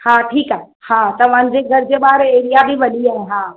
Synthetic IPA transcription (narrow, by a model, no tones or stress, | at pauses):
hãʈʰiːkaɦe | hãːt̪ɐʋãːnd͡ʒeɡʱɐɾd͡ʒebaːɾeːɾijabʱibəliaɦɛɦãː